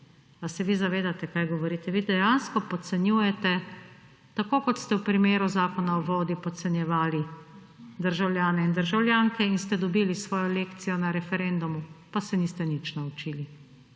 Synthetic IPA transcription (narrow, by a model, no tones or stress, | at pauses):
asɛʋizaʋeːd̪at̪ɛkajɡɔʋɔɾiːt̪ɛʋiːd̪ɛjanskɔpɔt̪sɛnjuːjɛt̪ɛ | t̪akoːkɔt̪st̪ɛwpɾimeːɾuzaːkɔnaɔʋoːd̪ipɔt̪sɛnjɛʋaːli | d̪əɾʒawljaːnɛind̪əɾʒawlʲjaːŋkɛinst̪ɛd̪ɔbiːlisʋɔːjɔleːkt̪sijɔnaɾɛfɛɾɛnd̪umupasɛniːst̪ɛnit͡ʃnaut͡ʃiːli